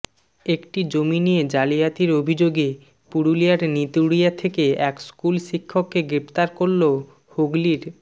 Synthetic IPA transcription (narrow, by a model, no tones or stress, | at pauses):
ekʈid͡ʑominijed͡ʑalijat̪iɾobʱid͡ʑoɡe | puɾulijaɾnit̪uɽijat̪ʰekeɛkskulʃikʰːokːeɡɾept̪aɾkoɾlo | hoɡliɾ